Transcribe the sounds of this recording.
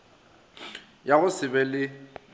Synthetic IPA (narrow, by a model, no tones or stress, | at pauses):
jaɣʊsɪbɛlɪ